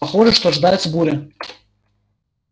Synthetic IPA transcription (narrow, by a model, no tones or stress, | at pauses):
aχoʐɐʂt̪ʰoaʐd̪ajt͡sbuɾʲa